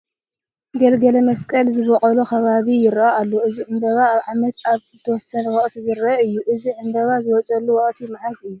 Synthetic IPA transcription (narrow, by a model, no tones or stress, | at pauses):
ɡɐlɡɐlɐmɐskʼɐlzɨβɔqʼɐlokʰɐβaβijɪɾaalːoʔɨziʕɨmbɐβaːβʕamɐt̪aβzɨt̪ʰɐwɔsɐnwɔkʼt̪ʰizɨɾɐɨjːuʔɨziʕɨmbɐβazɨwɔt͡sʼɐlːuwɔχʼt̪ʰimaʕasɨjːu